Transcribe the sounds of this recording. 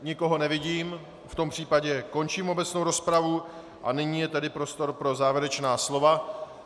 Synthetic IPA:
ɲɪko̞ɦo̞nɛvɪɟiːm | ft̪o̞mpr̝̥iːpaɟɛko̞nt͡ʃiːmo̞bɛt͡sno̞wɾo̞spɾavu | ʔa̰nɪɲiːjɛt̪ɛdɪpɾo̞st̪o̞ɾpɾo̞zaːvjɛɾɛt͡ʃnaːslo̞va

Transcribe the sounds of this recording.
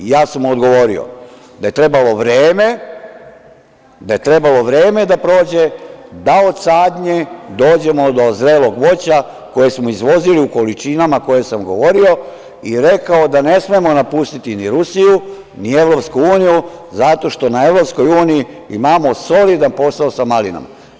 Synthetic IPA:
jaːsamod̪ɡo̞ʋo̞ɾḭo̰ | d̪aje̞t̪ɾe̞balo̞ʋɾeːme̞ | d̪aje̞t̪ɾe̞balo̞ʋɾe̞ːme̞d̪apɾo̞ːd͡ʑe̞d̪ao̞d̪saːd̪ɲe̞d̪o̞ːd͡ʑe̞mo̞d̪o̞zɾeːlo̞ɡʋo̞t͡ɕa | ko̞je̞smoizʋo̞ziliuko̞lit͡ʃinamako̞je̞samɡo̞ʋo̞ɾio̞ | iɾe̞kaod̪ane̞smiemo̞napust̪it̪iniɾusiju | nieʋɾo̞pskuuːnijuzat̪o̞ʃt̪o̞nae̞ʋɾo̞psko̞juːniji | imaːmo̞so̞lid̪anpo̞saosamalina̰ma̰

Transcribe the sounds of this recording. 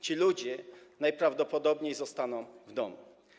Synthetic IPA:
t͡ɕilud͡ʑɛnajpɾavd̪ɔpɔd̪ɔbɲejzɔst̪anɔ̃w̃vd̪ɔmṵ

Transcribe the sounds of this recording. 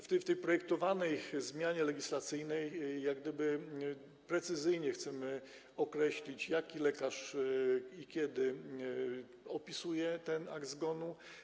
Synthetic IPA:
ft̪ft̪ɛjpɾɔjɛk̚t̪ɔvanɛjzmʲjaɲɛlɛɡʲislat̪sɘjnɛjːjaɡd̪ɘbɘ | pɾɛt̪sɘzɘjɲɛxt̪sɛmɘ | ɔkɾɛɕlʲit͡ɕjakʲilɛkaʂ | ikʲjɛd̪ɘ | ɔpʲisujɛt̪ɛna̰ɡd̪zɡɔnu

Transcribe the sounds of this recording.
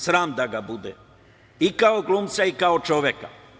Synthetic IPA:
sɾaːmd̪aɡabud̪ɛ̰ | ikaoɡlˠuːmt̪saikaot͡ʃoʋjeka̰

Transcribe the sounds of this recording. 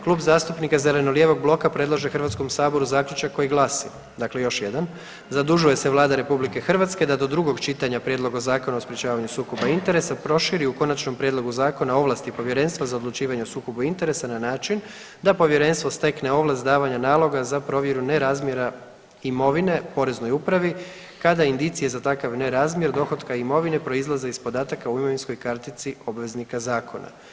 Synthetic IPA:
klˠuːbzaːst̪upnikazele̞no̞ljeʋo̞ɡblˠo̞kapɾe̞d̪lˠaʒexr̩ʋat̪sko̞msaːbo̞ɾuzaːklʲjut͡ʃakːo̞jiɡlˠasḭ | d̪akle̞jo̞ʃje̞d̪an | zad̪uʒuje̞seʋlˠaːd̪aɾe̞publike̞xr̩ʋat̪ske̞d̪ad̪o̞d̪ɾuɡo̞ɡt͡ʃit̪aɲapɾjed̪lˠo̞ɡazaːko̞naospɾjet͡ʃaːʋaɲusuːko̞baint̪e̞ɾe̞sapɾo̞ʃiɾiuko̞nat͡ʃno̞mpɾjed̪lˠo̞ɡuzaːko̞nao̞ʋlˠast̪ipo̞ʋje̞ɾe̞nst̪ʋazao̞d̪lˠut͡ʃiːʋaɲeosuːko̞buint̪e̞ɾe̞sananaːt͡ʃin | d̪apo̞ʋje̞ɾe̞nst̪ʋo̞st̪e̞kne̞o̞ʋlast̪d̪aːʋaɲanaːlˠo̞ɡazapɾo̞ʋje̞ɾune̞ɾazmje̞ɾa | imo̞ʋine̞po̞ɾe̞zno̞jupɾaʋi | kad̪aind̪it̪sije̞zat̪akaʋne̞ɾazmje̞ɾd̪o̞xo̞d̪kaimo̞ʋine̞pɾo̞izlˠazeispo̞d̪aːt̪akauimo̞ʋinsko̞jkaɾt̪it̪sio̞bʋe̞znikazaːkʰo̞na̰

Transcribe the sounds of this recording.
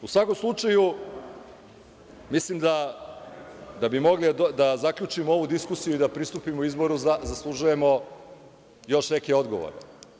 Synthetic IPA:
usʋako̞mslˠut͡ʃaju | mislimd̪a | d̪abimo̞ɡlid̪azakʎʲut͡ʃimoo̞ʋud̪iskusijuid̪apɾist̪upimouizbo̞ɾuzazaslˠuʒuje̞mo̞ | jo̞ʃne̞keo̞d̪ɡoʋo̰ɾe

